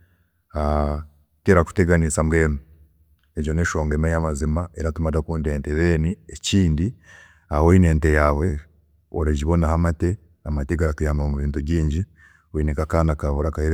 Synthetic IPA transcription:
a | teɾaku̥teɡanisamɡeːnu | eɟo̞neʃoːŋɡemajamazimaeɾatumadakuːndeːnteβeːnieciːndi | awoine̞ːntejawe̞ | oɾeɟiβo̞nahamate | amateɡaɾatujaːmbamuβiːntuβɟiːɲɟi | wiːnikakaːnakaβuɾakahiɾ

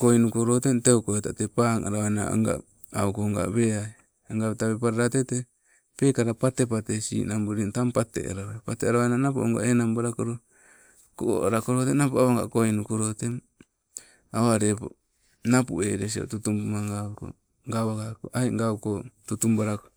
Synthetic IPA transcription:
kojnukoɾotenteokoetatepaːŋa̰ɾawajna̰a̰ŋɡa̰ | awkoŋɡa̰βea | aŋɡaβetaβepaɾaɾatete | pe̞kaɾapatep̬atesḭːnambuɾintampate̞̰a̰ɾaepateaɾaβajnanapo̰oŋɡa̰ʔenambaɾakoɾo | koo̰ɾakoɾotenapoaaŋɡa̰kojnukoɾotem | aoaɾepo̰ | napṵeɾes̬io̰tutumpumaŋɡako̰ | ŋɡawakaʔajŋɡawkotutumbaɾako

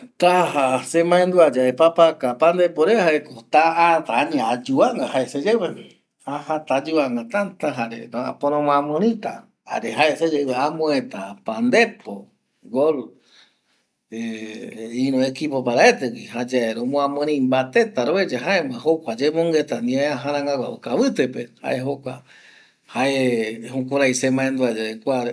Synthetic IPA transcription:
t̪ahasemãẽnd̪uad͡ʒaepapakapand̪epoɾehaekot̪aat̪aaɲiad͡ʒuaŋɡahaesed͡ʒeβewi | ahãt̪ad͡ʒuaŋɡat̪ant̪aɦaɾḛɾa̰poɾ̃õmõãmɨ̃ɾĩt̪a̰ | a̰ɾeɦaesed͡ʒewweamõẽt̪apand̪epʰo | ɡol | e | ĩɾõekipopaɾaet̪ekihad͡ʒaeɾõmõãmɨ̃ɾĩmbat̪e̞t̪aɾoβed͡ʒaɦaemãɦokʷad͡ʒemõŋɡet̪anĩaeaɦaɾãŋɡaɡʷa̰ʔokaβɨt̪epeha̰ʔeɦokʷa | haʔehũkʷoɾajsemãẽnd̪uad͡ʒaekʷaɾ

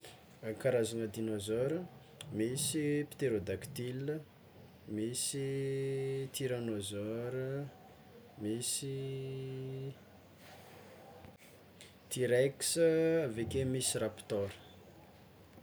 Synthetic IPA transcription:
akaɾazanəd̪inozɔɾə | misipi̥t̪eɾod̪akt̪ilə | misi | t̪iɾanozɔɾə | misi | t̪iɾeksəavekemisirapi̥t̪ɔɾə̥

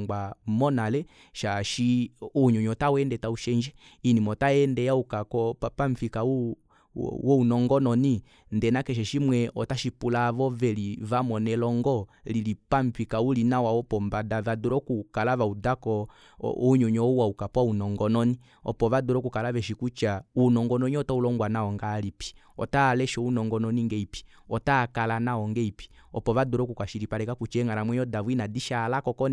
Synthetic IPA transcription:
ɡamɔnalɛ | ʃaʃiuɲɔɲɔtawɛndɛtauʃɛɲd͡ʒɛinimɔtaɛndɛjaukakɔapaɱ̩fikaṵ | wɔunɔŋɡɔnɔni | ndɛnakɛʃ̬ɛʃimwɛʔɔtaʃipulavɔvɛlivamɔnɛlɔŋɡɔlilipaɱ̩fikaulinawaɔpɔmbadavadɔɾɔkukalavaudakɔ̰ | uɲɔɲɔuwaukapwaunɔŋɡɔnɔni | ɔ̰pɔβadɔɾɔkukalavɛʃikut͡ʃaunɔŋɡɔnɔɲiɔtaulɔŋɡwanaɔŋɡalipi̥ | ɔ̰talɛʃɔunɔŋɡɔnɔniŋɡɛipi̥ | ɔtakalanaɔŋɡɛipi̥ɔpɔβadɔɾɔkukaʃiɾipaɾɛkakut͡ʃɛŋɡaɾamwɛɲɔdavwinadiʃalakɔkɔn

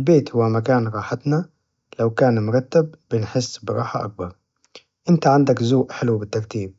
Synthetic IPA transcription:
lbeːt̪hʊwamakaːnɾˤɑːħat̪na | lawkaːnmʊɾˤɑt̪ːabːɪnħɪsːbɪɾˤɑːħaʔa̰k̚bɑɾˤ | ʔɪnt̪aʕand̪akzuːʔħɪlwbɪt̪ːɑɾˤt̪iːb̚

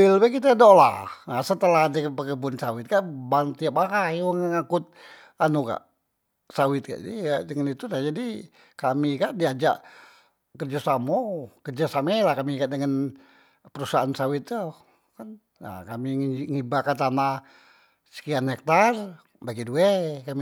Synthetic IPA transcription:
ilwɛkit̪adola̰ŋasət̪əlahdəpəkəbunsawɪt̪̚kaʔbaŋt̪iapaɦajuŋŋakʊt̪̚ | anuka̰ʔ | sawɪt̪̚ka̰ʔidəŋanit̪udad͡ʒadi | kamikaʔdiad͡ʒa̰ʔ | kərd͡ʒasamɔkərd͡ʒasamɛlahkamikaʔdəŋan | pəɾusaansawɪt̪̚o | kan | a̰kamiŋibakat̪ana | sə̥kianhɛk̚t̪ar | baɡiduɛkami

